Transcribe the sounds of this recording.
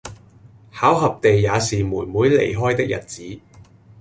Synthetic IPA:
haː˨˥wɦɐ˨p̚t̪e˨jːaː˨˧siː˨muː˨˩jmuː˨˥jlḛ˨˩jɦɔː˥jt̪ɪ˥k̚jʔɐ̰˨˩t̚t͡siː˨˥

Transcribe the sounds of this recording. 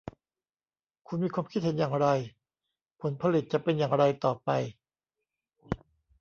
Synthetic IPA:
kʰu˧nmiː˧kʰwaː˧mkʰi˥t̪̚he˩˦njaː˨˩ŋɾa˧j | pʰo˩˦npʰa˧li˨˩t̪̚t͡ɕa˨˩pe˧njaː˨˩ŋɾa˧jt̪ɔː˨˩pa˧j

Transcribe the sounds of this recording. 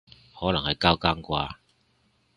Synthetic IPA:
hɔ˨˦˥lɐ˨˩ŋha˨jka˥˧wka˥˧ŋkwa̰ː˧

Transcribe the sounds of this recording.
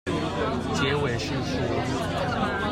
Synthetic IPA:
t͡ɕjɛ˧˥we˨˩ɪʂɻ̩˥˧ʂɻ̩˥˩

